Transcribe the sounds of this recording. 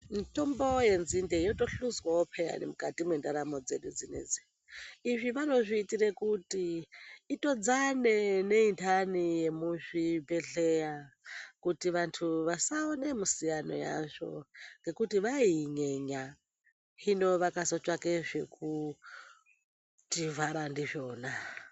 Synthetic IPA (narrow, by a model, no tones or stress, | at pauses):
nitʼombojenzindejotʼoɬuzwaopʰeja̰nḭmukʼatimwendaɾamod͡zeɗud͡zinḛd͡zi | iʐiʋano̞ʐiːtiɾekutiː | tʼod͡zanene̞intʰanijemuʐibeɮejakutiʋantʰuʋasaonemusijano̰ja̰ʐo̰ŋɡe̞kutiʋaiɲeɲa | hino̞ʋakasot͡ʃʼwakeʐeku | tivaɾandiʐoːna